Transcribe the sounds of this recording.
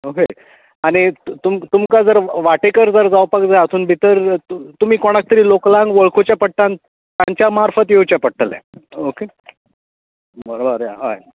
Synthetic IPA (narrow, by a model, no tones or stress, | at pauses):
oɦe | aɽ̃it̪umt̪umkad͡zəɾʋaʈekəɾd͡zəɾd͡zawpakd͡zajəsuːnbʱit̪əɾt̪um̤iːkoɽ̃ak̚t̪əɾiːloklãŋɡʋəɭkʰot͡ɕjapəʈʈːan | t̪ːjãɲt͡ɕjamaɾfət̪jewt͡ɕjapəʈʈːəlḛ̃oke | bəɾobəɾja̰ɦa̰j